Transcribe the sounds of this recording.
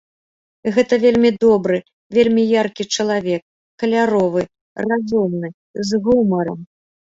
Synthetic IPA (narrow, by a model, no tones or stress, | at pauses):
ɣɛt̪ɐvʲelʲmʲid̪ɔbɾɨ | vʲelʲmʲijarkʲit͡ʂɐlˠavʲɛkː | ɐlʲaɾɔvɨ | razʲɔmnɨ | zɣumɐɾɐm